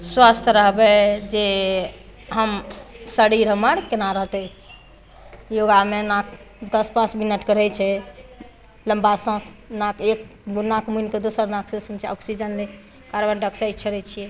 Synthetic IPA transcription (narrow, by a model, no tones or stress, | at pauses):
swast̪ʰɾəɦbɛd͡ʒe | ɦəmsəɽiɾɦəməɽkenaɾəɦt̪ɛ | joɡamenak̚ | d̪əspãt͡ʃminəʈkəɽ̤ɛt͡ʃʰɛ | ləmbasə̃s | nakekɡunakmuinked̪osəɾnaksẽsəmt͡ʃʰɔksid͡ʒənle | kaɾbənɖəksajd͡ʒt͡ʃʰəɾɛt͡ʃʰijɛ